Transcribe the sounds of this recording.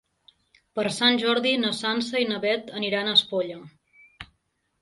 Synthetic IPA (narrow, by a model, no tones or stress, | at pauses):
pəɾsanʲʒɔɾðinəsansəinəβɛt̪əniɾanəspoʎə